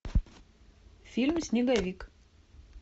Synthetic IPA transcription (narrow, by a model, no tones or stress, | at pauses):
fʲɪlʲmʲsʲnʲɪɡɐʋʲiːk